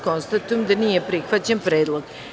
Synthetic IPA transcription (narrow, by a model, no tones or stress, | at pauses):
ko̞nst̪at̪ujemd̪anijepɾixʋat͡ɕanpɾeːd̪lˠoɡ̥